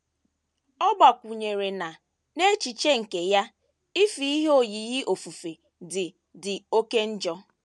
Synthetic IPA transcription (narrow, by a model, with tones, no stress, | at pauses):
ɔ˦ɡ͡ba˨kʷʊ˨ɲe˨ɾe˨na˨ | ne˦t͡ʃi˨t͡ʃe˦ŋ̩˨ke˨ja˦ | i˦fi˨˦i˦ɦo˦˨ji˨ɣɪ˦ʔo˨fu˨fe˨ | dɪ˨ | dɪ˨o˦ke˦n̩˦d͡ʒɔ˦